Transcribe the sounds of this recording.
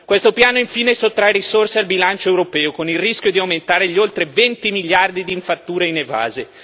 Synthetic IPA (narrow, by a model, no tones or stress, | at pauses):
kwest̪opjaːnoiɱfiːnesot̪ːɾajɾisorsealbilant͡ʃoewɾopɛːokonilriskʲjod̪iawment̪aːɾeʎiolt̪ɾevɛnt̪imiʎːard̪id̪iːɱfat̪ːuːɾeineva̰ːze